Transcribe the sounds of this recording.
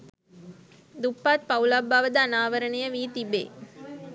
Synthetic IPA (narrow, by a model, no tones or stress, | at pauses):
d̪ʊpːaːt̪̚pɐʋlaːbaːʋɐd̪ɐːnaːʋɐɾɐnɐjɐʋiːt̪ibḛː